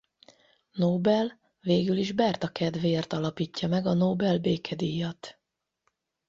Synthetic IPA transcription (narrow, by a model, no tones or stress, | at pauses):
noːbɛl | veːɡyliʒbɛrt̪ɒkɛd̪ʋeːrt̪ɒlɒpiːcːɒmɛɡɒnoːbɛlbeːkʰɛd̪ijɒt̪